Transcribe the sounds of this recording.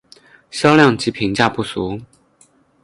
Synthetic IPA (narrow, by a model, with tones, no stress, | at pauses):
ɕjɑ˥ʊljɑ˥˩ŋt͡ɕi˨˥pʰi˧˥ŋt͡ɕja˥˧pu˥˩su˧˦